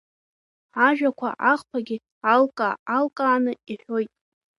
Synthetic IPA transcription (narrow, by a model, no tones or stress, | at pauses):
aʒᶣakʷʰa̰ʔaχpʰaɡʲi | alkʼaalkʼaːnɨiħᶣo̞jtʼ